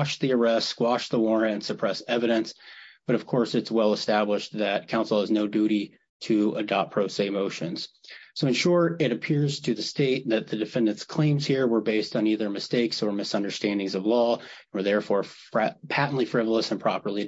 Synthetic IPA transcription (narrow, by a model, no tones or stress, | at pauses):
ʃðiə˞ɛstkwɑʃðəwɔɹnɨ̃nsɨpʰɹ̥ɛsɛvɨɾɨ̃nsb̥ʌɾʌv̥kʰɔɹsɨtswɛlˠəstæbləʃðɨt̚kʰãʊ̃nsl̩ˠəznoʊdʉɾi | ɾɨə̰dɑp̚pʰɹ̥oʊseɪmoʊʃɨ̃nz̥soʊɨ̃nʃɔɹɾɪɾɨpʰɪɹz̥tʰɨðɨsteɪt̪̚ðɨt̪̚ðɨdɨfɛ̃ndɨ̃ntskʰl̥ẽɪ̃mz̥hiɹwə˞beɪstn̩iðə˞mɨsteɪksə˞mɨsʌ̃ndə˞stæ̃ndɪ̃ŋzʌvlɔ̃nwə˞ðɛɹfɔɹfpʰæʔn̩ʔlifɹɪvl̩ˠəsɨ̃npʰɹ̥ɑpə˞lˠi